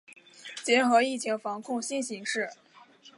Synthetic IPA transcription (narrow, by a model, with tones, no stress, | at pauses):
t͡ɕjɛ˧˥nxɤ˧˥i˥˩t͡ɕʰi˧˥ŋfɑ˧˥ŋkʰʊ˥˧ŋɕi˥nɕi˧˥ŋʂɻ̩˥˩